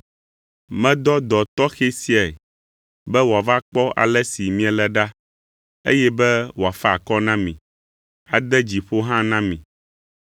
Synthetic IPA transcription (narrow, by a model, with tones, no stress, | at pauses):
mɛ̃˦d̪ɔ˦d̪ɔ˨t̪ɔ˦xe˦si˦a˨ɛ˨ | bɛ˦wo˨a˨va˦k͡pɔ˦a̰˨lɛ˦si˨mĩ˦a˨lɛ˦ɖa˦ | ḛ˦jɛ˦bɛ˦wo˨a˨fɛ˦a˨kɔ˦nã˦mĩ˨ | a˨d̪ɛ˦d͡ʑi˨ɸo˦ɦã˦nã˦mĩ˨